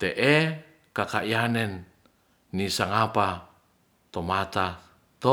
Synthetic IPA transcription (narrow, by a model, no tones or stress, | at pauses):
t̪eʔe | kakaʔianɛnː | isaŋapa | t̪omat̪a | t̪o